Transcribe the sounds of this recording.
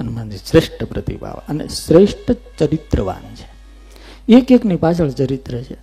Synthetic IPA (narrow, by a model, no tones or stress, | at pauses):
ənemãd͡ʒisɾeʂʈəpɾət̪ḭba̰ʋa̰ənḛsɾeʂʈʰət͡ʃəɾit̪ɾəʋa̰nt͡ʃʰe̥ | ekeknipat͡ʃʰəɭt͡ʃəɾit̪ɾət͡ʃʰe